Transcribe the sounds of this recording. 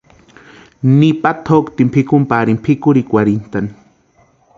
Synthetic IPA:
nipat̪ʰokt̪impʰɪkʊmpaɾimpʰɪkʊɾikwaɾint̪ani

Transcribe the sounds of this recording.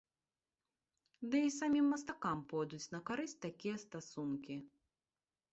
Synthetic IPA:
d̪ɨis̬amʲimːɐs̬t̪akampɔjd̪ut͡sʲnɐkaɾɨt͡sʲt̪akʲijɛst̪asunkʲi

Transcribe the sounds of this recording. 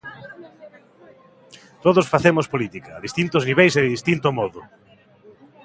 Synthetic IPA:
t̪oðosfaθemospolit̪ikɐːðist̪int̪ozniβejseðɪðist̪int̪omɔðʊ

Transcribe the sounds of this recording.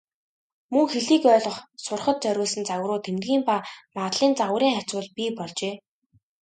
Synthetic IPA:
mɵŋxeɮiːkœːɮə̆χsʊrχə̆t̪̚t͡sœɾʲʊːsɘ̆nt͡saw̆rʊːt̪ʰemt̪ɡʲiːmpaːmat̪ɮiːnt͡saʁw̆ɾiːŋχat͡swʊ̆ɮpiːpɔɮt͡ɕeː

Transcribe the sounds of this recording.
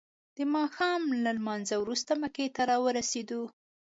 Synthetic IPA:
d̪̥əmɑxɑmlalmɑnzawɾust̪aməket̪aɾɑwəɾased̪u

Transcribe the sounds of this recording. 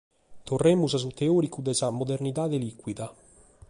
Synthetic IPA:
t̪orːemːuzas̬ut̪eoːɾikud̪ɛsamod̪ernit̪ad̪elikːwid̪a

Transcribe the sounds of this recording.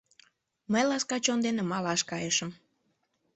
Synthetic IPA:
məjlɑskɑt͡ɕond̪enĕmɑlɑʃkɑjeʃəm

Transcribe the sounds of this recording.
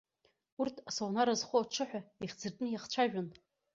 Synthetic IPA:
urtʰasownaɾazχʷoaʈ͡ʂʰɨħʷᶣaiχʲd͡zɨrtʼnɨjaχt͡ʃʷʰaʒᶣan

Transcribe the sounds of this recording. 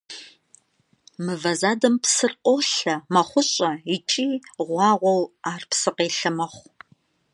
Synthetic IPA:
mɨvɐzaːdɐmpsɨrqʷʼoɬɐmɐχʷʊɕʼɐit͡ʃʼiːʁʷɑːʁʷɔwaːrpsɨqeːɬɨmɐχʷ

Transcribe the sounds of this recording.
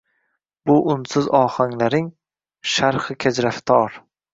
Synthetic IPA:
bʊʔʊnsɪzɒːhaŋlaɾɪŋ | ʃaɾχɨkʲʰad͡ʒɾaft̪ʰɒɾ

